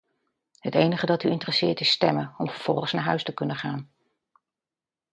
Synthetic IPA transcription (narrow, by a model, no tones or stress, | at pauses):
ɦətejnəχədɑtyɪntrəsɪːɹtɪstɛmənɔmvəɹv̥ɔ̰lˠχəsnaːɹɦœɥstəkɵnəχaːn